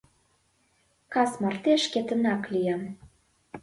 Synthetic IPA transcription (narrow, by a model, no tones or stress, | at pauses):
kɑsmɑrt̪eʃket̪ə̆nɑklijɑm